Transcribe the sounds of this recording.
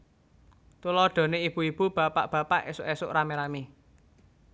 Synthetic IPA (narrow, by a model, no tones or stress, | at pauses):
t̪ulɔɖ̥ɔ̤neib̥uib̥ub̥ä̤pa̰ʔb̥ä̤pa̰ʔḛsʊʔesʊʔɾameɾami